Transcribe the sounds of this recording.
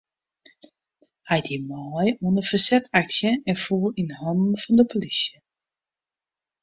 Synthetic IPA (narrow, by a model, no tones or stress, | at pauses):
hajdimɔjuəndəfəsɛtʰaksjəɛnfuːərinhɔndn̩fɔndəpolisjə